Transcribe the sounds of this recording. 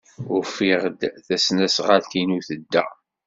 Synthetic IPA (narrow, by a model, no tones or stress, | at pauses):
ʊɾfiʁd̪θæsnæsʁalkinuθəd̪ːæ̰